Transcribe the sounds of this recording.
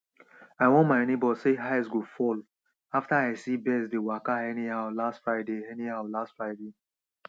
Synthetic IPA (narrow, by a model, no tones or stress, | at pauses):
aɪwɔ̃nmaɪnebɔseɦaɪsɡofɔl | aftaaɪsibɛsdewakaɛnihaʊlastfɹaɪdeɛnihaʊlastfɹaɪde